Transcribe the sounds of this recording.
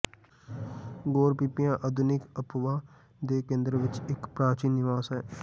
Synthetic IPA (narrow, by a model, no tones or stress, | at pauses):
ɡoːɾpipijãːʔəd̪ʱʊnɪkəpʋãː | d̪eːkẽːnd̪ɾəʋɪt͡ʃɪkpɾãːt͡ʃiːnnɪʋaːsɦɛː